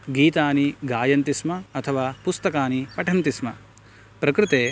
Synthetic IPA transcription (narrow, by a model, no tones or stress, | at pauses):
ɡiːt̪aːniɡaːjɐnt̪ismɐɐt̪ʰɐʋaːpust̪ɐkaːnipɐʈʰɐnt̪ismɐ | pɾɐkɾɪt̪eː